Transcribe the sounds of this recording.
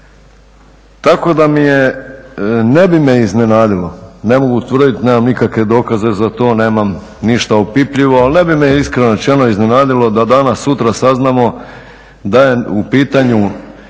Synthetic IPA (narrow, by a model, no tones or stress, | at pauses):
t̪ako̞d̪amije | ne̞bimeizne̞naːd̪ilˠo̞ne̞mo̞ɡut̪ʋr̩d̪it̪ne̞ːmamnikakʋe̞d̪o̞ːkaze̞zat̪o̞ːne̞ːmam | niʃt̪aopipʎiʋo̞alne̞bimejiskɾenot͡ʃeno̞izne̞naːd̪ilo̞d̪ad̪anasːut̪ɾasaznamo̞ | d̪aje̞upiːt̪aɲu